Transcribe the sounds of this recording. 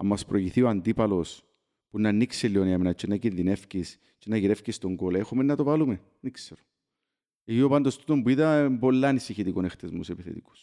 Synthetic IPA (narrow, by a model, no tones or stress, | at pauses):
ɐ̰mːɐspɾoʝiθioand̪ipɐlo̞s | punːɐnːikselːioniɐmenɐt͡ʃːenːɐcinðine̞fcis | t͡ʃenɐʝiɾe̞fcist̪oŋɡolexomenːɐt̪ovalumen | nikseɾo̥ | ecio̞pɐnd̪ost̪ut̪ombuiðɐmbo̞lːɐnisiçit̪ikonext̪ezmusepiθḛt̪iku̥s